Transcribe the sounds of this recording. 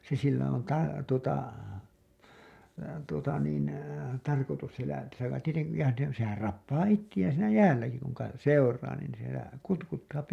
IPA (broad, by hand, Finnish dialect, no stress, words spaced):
se silːæ on tɑ tuotɑ tuotɑ niːn tɑrkotus sielæ silːæ tieteŋki jɑ ne sehær rɑpːɑː itːij̆æːn̞ siːnæ jæːlːæki kuŋ kɑ seurˑɑː niˑn sielæ kutkutːɑːpi